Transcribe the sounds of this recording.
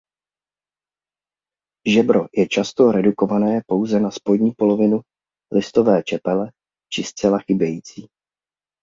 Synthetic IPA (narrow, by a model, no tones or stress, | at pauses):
ʒɛbɾo̞jɛt͡ʃast̪o̞ɾɛduko̞vanɛːpo̞wzɛnaspo̞dɲiːpo̞lo̞vɪnu | lʔɪst̪o̞vɛːt͡ʃɛpɛlɛ | t͡ʃɪst͡sɛlaxɪbjɛjiːt͡siː